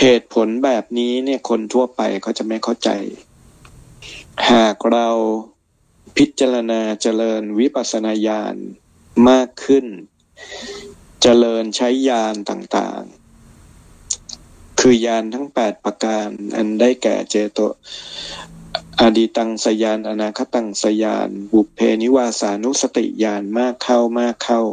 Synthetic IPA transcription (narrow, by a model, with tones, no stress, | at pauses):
heː˨˩t̪̚pʰo˩˦nbɛː˨˩p̚niː˦˥ni˥˩ɐkʰo˧nt̪ʰu˥˩ɐpa̰˧jkʰa˦˥wt͡ɕa˨˩ma˥˩jkʰa˥˩wt͡ɕa̰˧j | haː˨˩k̚ɾa˧w | pʰi˦˥t̪̚t͡ɕa˧ɾa˧naː˧t͡ɕa˧lɤː˧nwi˦˥pʰa˨˩t̪̚sa˧naː˧jaː˧n | maː˥˩kʰːɯ˥˩n | t͡ɕa˧lɤː˧nt͡ɕʰa˦˥jːaː˧nt̪a̰ː˨˩ŋt̪a̰ː˨˩ŋ | kʰɯː˧jaː˧nt̪ʰa˦˥ŋpɛː˨˩t̪̚pɾa˧kaː˧nʔa̰˧ndaː˥˩jkɛ̰ː˨˩t͡ɕeː˧t̪o̰˧ | ʔa˧diː˧t̪a˧ŋsa˧jaː˧nʔa˧naː˧kʰa˦˥t̪a˧ŋsa˧ja̰ː˧nbu˨˩pʰːeː˧ni˦˥waː˧saː˩˦nu˦˥sa˧t̪ḭ˨ʔjaː˧nmaː˥˩kʰːa˥˩wmaː˥˩kʰːa˥˩w